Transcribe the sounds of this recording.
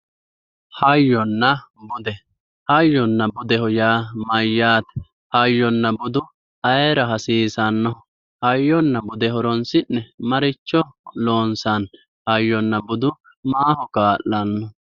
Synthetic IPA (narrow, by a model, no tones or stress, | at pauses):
hɐjːɔnːɐbʊd̪ɛ | hɐjːɔnːɐbʊd̪ɛhɔjaːmɐjːaːt̪ɛ̥ | hɐjːɔnːɐbʊd̪ʊ | ɐjɛɾɐɦɐsiːsɐnːɔ | hɐjːɔnːɐbʊd̪ɛɦɔɾɔnsɪnːɛmɐɾɪt͡ʃːɔloːnsɐn | hɐjːɔnːɐbʊd̪ʊ | maːhɔkaːʔːɐnːɔ